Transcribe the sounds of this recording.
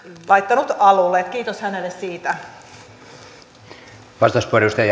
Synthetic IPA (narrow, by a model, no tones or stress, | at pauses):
lʔɑjt̪ːɑnut̪ɑlulːet̪kiːt̪oshænelːessiːt̪æ | ʋɑst̪ospuorjust̪ej